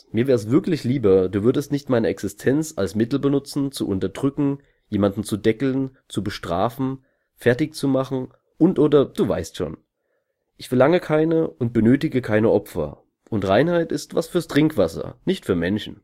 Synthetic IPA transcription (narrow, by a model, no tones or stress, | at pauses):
miːɐɛːɐəsv̥ɪɐklɪçliːbɐduːvʏɐdəstnɪçtmaɪnəɛksɪstʰɛnt͡sa̰lsmɪtl̩bənʊt͡sn̩t͡suʔʊntɐdʁʏkŋ̩ | jeːmandn̩t͡sudɛkl̩nt͡subəʃtʁ̥a̰ːfn̩ | fɛɐtɪçt͡sumaχn̩ | ʔʊntʔoːdɐd̥uːva̰ɪstʃo̰ːn | ʔɪçfɛɐlaŋəkʰaɪnəʔʊnt̚b̥ənøːtɪɡəkʰaɪnəʔɔpfɐ̰ | ʔʊntʁaɪnhaɪtɪstv̥a̰sfyːɐstʁ̥ɪŋkv̥asɐ̰nɪçtfyːɐmɛnʃn̩